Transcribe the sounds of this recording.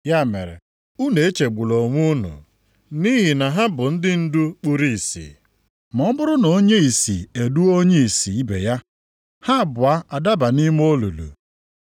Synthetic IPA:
ja˦˨mḛ˨ɾḛ˨ | u˦ne˨e˦t͡ʃe˨ɡ͡bu˨lo˨ŋʷu˦nʊ̰˨ | ni˦ɦi˨na˨ɦa˦bʊ˨n̩˦dɪ˦n̩˦du˦k͡pu˦ɾi˦˨i˨sḭ˨ | mɔ˦m˦bʊ˦ɾʊ˦no˨˦ɲe˦i˨si˨e˨du˦o˦ɲe˦i˨si˨i˦bḛ˨ja˦ | ha˦˨bʊ˨a˦a˨da˦ba˨ni˦m˦o˦lu˨lṵ˨

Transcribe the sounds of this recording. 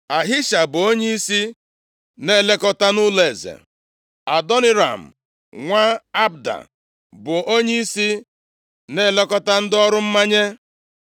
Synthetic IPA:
a˨ɦɪ˦ʃa˨bʊ˨o˦ɲe˦i˦si˦ | ne˦le˦kɔ˦ta˦nʊ˦le˨zḛ˨ | a˨dɔ˦nɪ˦ɾa̰˨m̩˨ | ŋʷa˦a˦b̚da̰˨ | bʊ˨o˦ɲe˦i˦si˦ | ne˦˨le˦kɔ˦ta˦n̩˦dɪ˦ɔ˦ɾʊ˦m̩˦ma˦ɲe˦

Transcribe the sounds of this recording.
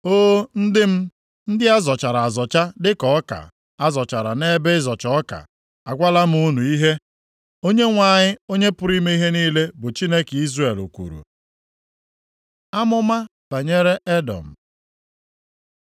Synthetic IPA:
oː˦n̩˦dɪ˦m̩˦ | n̩˦dɪ˦a˦zɔ˨t͡ʃa˨ɾa˨a˨zɔ˨t͡ʃa˦dɪ˦kɔ˨ɔ˦ka̰˨ | a˦zɔ˨t͡ʃa˨ɾa̰˨ne˦be˦zɔ˨t͡ʃɔ˦ka̰˨ | a˨ɡʷa˦la˦m̩˦u˦nu˨i˦ɦe˦ | o˦ɲe˦ŋʷa˦ɲɪ˦o˦ɲe˦pʊ˨ɾi˦me˦i˦ɦe˦niː˦le˦bʊ˨t͡ʃi˦ne˦ki˦zre˨lo˨kʷṵ˨ɾṵ˨ | a˦mʊ˦ma˦b̥a˨ɲe˦ɾe˦ʔe˦dɔ̰˨m̩˨

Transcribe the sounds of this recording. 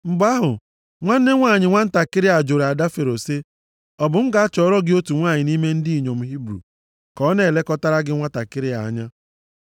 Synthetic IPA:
ŋ͡m̩˨ɡ͡ba˦ɦʊ˨ | ŋʷa˦n̩˦ne˦ŋʷaː˦˨ɲɪ˨ŋʷa˦n̩˦ta˨kɪ˦ɾɪ˦a˨d͡ʒo˨ɾa˨da˦fe˨ɾo˨se˦ | ɔ˨bʊ˨m̩˦ɡa˨a˦t͡ʃɔ˨˦ɾɔ˦ɡɪ˦o˦tu˨ŋʷaː˦˨ɲɪ˨ni˦me˦n̩˦di˦i˨ɲo˨m̩˨ɦi˦bɾṵ˨ | kɔ˦ne˦˨le˦kɔ˦ta˦ɾa˦ɡɪ˦ŋʷa˦ta˨kɪ˦ɾɪ˦a˨˦ɲa˦

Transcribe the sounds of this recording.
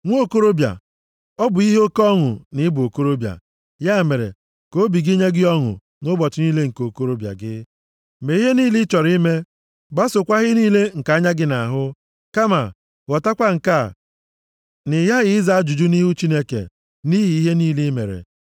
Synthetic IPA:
ŋʷ˦o˦˨ko˦ɾo˦bja̰˨ | ɔ˦bʊ˨i˦ɦe˦o˦kɔ˦ŋʊ̰˨nɪ˦bo˨ko˦ɾo˦bja̰˨ | ja˦e˨me˨ɾḛ˨ | ko˦bi˨ɡi˦ɲe˦ɡɪ˦ɔ˦ŋʊ̰˨ | nʊ˦bɔ˨t͡ʃɪ˨niː˦le˦ŋ̩˨ko˨ko˦ɾo˦bja̰˨ɡɪ˦ | me˨i˦ɦe˦niː˦li˦t͡ʃɔ˨ɾi˦me˦ | ɡ͡ba˦sʊ˨kʷa˦ɣɪ˦niː˦le˦ŋ̩˨ka˨˦ɲa˦ɡɪ˦na˨ɦʊ˦ | ka˦ma̰˨ | ɣɔ˨ta˦kʷa˦ŋ̩˨ka˦˨ | nɪ˨ja˦ɣɪ˨ɪ˦za˦a˦d͡ʒu˨d͡ʒu˦ni˦ɦu˦t͡ʃi˦ne˦kḛ˨ | ni˦ɦi˨i˦ɦe˦niː˦li˦mḛ˨ɾḛ˨

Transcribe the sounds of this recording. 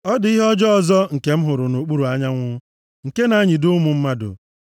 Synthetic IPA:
ɔ˦dɪ˨i˦ɦɔ˦d͡ʒɔ˦ɔ˨zɔ˦ŋ̩˨ke˦m̩˦ɦʊ˨ɾʊ˨no˨k͡pu˦ɾu˨a˦ɲa˦ŋʷʊ˦ | ŋ̩˨ke˦na˨˦ɲi˨dʊ˦mʊ˨m̩˦ma˦dʊ̰˨

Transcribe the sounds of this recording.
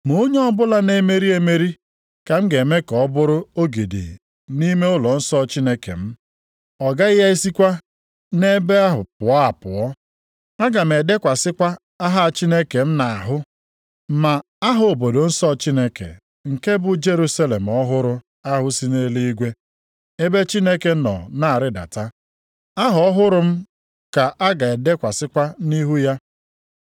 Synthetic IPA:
mo˦ɲe˦ɔ˦bʊ˦la˦ne˦me˦ɾi˦e˦me˦ɾi˦ | ka˨m̩˦ɡe˨me˦kɔ˨˦bʊ˦ɾʊ˦o˦ɡe˨dḛ˨ | ni˦me˦ʊ˦lɔ˨n̩˦sɔ˦t͡ʃi˦ne˦kḛ˨m̩˦ | ɔ˨ɡa˦ɪ˦ja˦i˦si˦kʷa˦ | ne˦be˦a˦ɦʊ˨pʊ˨˦a˨pʊ̰˨ɔ˦ | a˦ɡa˨m̩e˨de˦kʷa˨sɪ˦kʷa˦ | a˦ɦa˦˨t͡ʃi˦ne˦ke˨m̩˦na˨a˨ɦʊ˦ | ma˨ | a˦ɦʊ˨o˨bo˨do˨n̩˦sɔ˦˨t͡ʃi˦ne˦kḛ˨ | ŋ̩˨ke˦bʊ˨˦d͡ʒe˦ɾu˦sa˦le˨m̩˨ɔ˦ɦʊ˦ɾʊ˦ | a˦ɦʊ˦si˦ne˦li˦i˦ɡʷe˦ | e˦be˦t͡ʃi˦ne˦ke˨nɔ̰˨na˦˨a˨ɾɪ˦da̰˨ta˦ | a˦ɦʊ˨ɔ˦ɦʊ˦ɾʊ˦m̩˦ | ka˨ʔa˦ɡa˨e˨de˦kʷa˨sɪ˦kʷa˦ni˦ɦu˦ja˦

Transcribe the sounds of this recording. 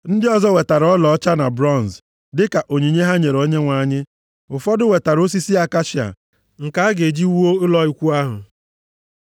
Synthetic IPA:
n̩˦dɪ˦ɔ˨zɔ˦we˨ta˨ɾɔ˦lɔ˨ɔ˦t͡ʃa˦na˨bɾɔ˦˨n˨z | dɪ˦ka˨ʔo˨ɲi˨ɲe˦ɦa˦ɲe˨ɾo˦ɲe˦ŋʷa˨ɲɪ˦ | ʊ˨fɔ˦dʊ˦we˨ta˨ɾo˦s̬i˦si˦a˦ka˦ʃi˨a̰˨ | ŋ̩˨ka˦a˦ɡe˨d͡ʒi˦wu˦o˦ʊ˦lɔ˦i˨kʷu˦a˦ɦʊ̰˨

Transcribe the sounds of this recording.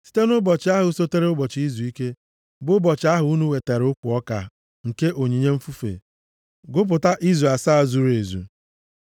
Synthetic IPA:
si̥˦te˦nʊ˦bɔ˨t͡ʃɪ˦a˦ɦʊ˨˦so˦te˦ɾe˦ʊ˦bɔ˨t͡ʃi˦zu˨i˦ke˦ | bʊ˦bɔ˨t͡ʃɪ˨˦a˦ɦʊ˨u˦nu˦we˨te˨ɾʊ˦kʷʊ˨ɔ˦ka̰˨ | ŋ̩˨ke˦ʔo˨ɲi˨ɲe˦m̩˦fu˦fḛ˨ | ɡʊ˦p̬ʊ˨ta˦ʔi˦ze˨sa˦˨zu˨ɾe˨zṵ˨

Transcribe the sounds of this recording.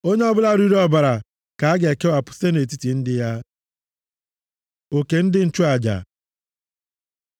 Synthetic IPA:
o˦ɲe˦ɔ˦bʊ˦la˦ɾi˦ɾe˦ɔ˦ba˨ɾa˨ | ka˨a˦ɡe˨ke˦wa˨pʊ̥˨se˦ne˨t̬i˦ti˨n̩˦dɪ˦ja˦ | o˨ke˨n̩˦dɪ˦n̩˦˨t͡ʃu˦a˨d͡ʒa̰˨

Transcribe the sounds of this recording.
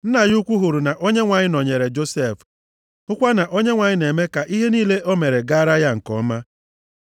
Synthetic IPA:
n̩˦na˨ju˦kʷu˦ɦu˨ɾu˨na˨ʔo˦ɲe˦ŋʷa˨ɲɪ˦nɔ˨ɲe˨ɾe˨d͡ʒo˦se˦˨f | ʊ˦kʷa˦na˨ʔo˦ɲe˦ŋʷa˨ɲɪ˦ne˨me˦ka˨ʔi˦ɦe˦niː˦le˦ʔo˦me˨ɾe˨ɡa˦ɾa˦ja˦ŋ̩˨kɔ̰˨˦ma˦

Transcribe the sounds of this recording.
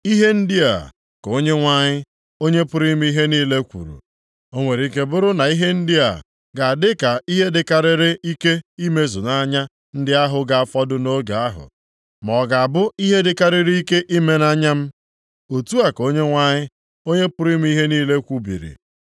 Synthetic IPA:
i˦ɦe˦n̩˦dɪ˦a̰˨ | ko˦ɲe˦ŋʷa˦ɲɪ˦ | o˦ɲe˦pʊ˦ɾi˦m˦i˦ɦe˦niː˦le˦kʷṵ˨ɾṵ˨ | o˦ŋʷe˨ɾi˨ke˨bʊ˦ɾʊ˦na˨i˦ɦe˦n̩˦dɪ˦a̰˨ | ɡa˨a˨dɪ˦ka˨i˦ɦe˦dɪ˨ka˨ɾɪ˦ɾɪ˦i˦ke˦i˦me˦zʊ˨na˦ɲa˦ | n̩˦dɪ˦a˦ɦʊ˨ɡa˨a˨fɔ˦dʊ˦no˦ɡa˨a˦ɦʊ̰˨ | mɔ˨ɡa˨a˨bʊ˦i˦ɦe˦dɪ˨ka˦ɾɪ˦ɾi˦i˦ke˦ʔi˦me˦na˦ɲa˦m̩˦ | o˨tu˦a˨ko˦ɲe˦ŋʷa˦ɲɪ˦ | o˦ɲe˦pʊ˦ɾi˦m˦i˦ɦe˦niː˦le˦kʷu˦bḭ˨ɾḭ˨

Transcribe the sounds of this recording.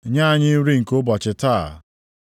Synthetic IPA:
ɲa˦˨ɲɪ˦ɾi˦ŋ̩˨ko˦bɔ˨t͡ʃɪ˨taː˦˨

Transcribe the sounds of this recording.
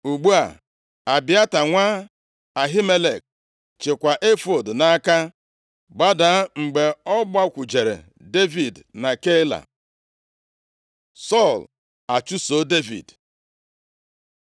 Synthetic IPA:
u˨ɡ͡bu˦a̰˨ | a˨bɪ˨˦a˦ta˨ŋʷa˦ | a˨ɦi˦me˦le˨k̚ | t͡ʃe˨kʷa˨ʔe˦fo˨dna˦ka˦ | ɡ͡ba˦da˨˦ŋ͡m̩˨ɡ͡be˨ɔ˦ɡ͡ba˦kʷu˨d͡ʒe˨ɾḛ˨ | de˦vi˨dna˨ke˦la̰˨ | sɔ˦˨l | a˨t͡ʃu˦so˦de˦vḭ˨d

